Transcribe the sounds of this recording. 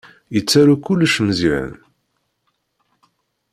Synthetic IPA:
jət͡sːaɾukʊlːəʃməziʕə̰n

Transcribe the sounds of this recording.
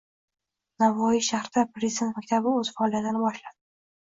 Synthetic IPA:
navːɒjɪʃahɾɪd̪apɾezɪd̪et̪makʲt̪ʰabɪɵz̥fɒɒlˠijat̪ɨnɪbɒʃlad̪ɪ

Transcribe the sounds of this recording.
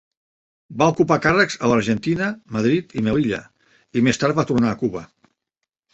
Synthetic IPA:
baukupakarəkz̥ələɾʒənt̪inəməðɾit̪imɛliʎə̰ | imest̪aɾt̪̚βat̪urnaːkuβə

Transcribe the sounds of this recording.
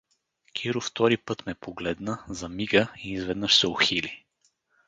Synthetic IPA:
kʲʰiɾʊft̪ɔɾipɤt̪mɛpoɡlɛd̪nəzɐmiɡəiːzvɛd̪nəʃsɛoxili

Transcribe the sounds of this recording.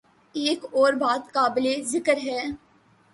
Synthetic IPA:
eːkɔːɾbaːt̪kaːblezɪkəɾɦɛː

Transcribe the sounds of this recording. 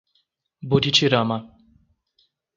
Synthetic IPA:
bud̪it͡ʃʰiɾama

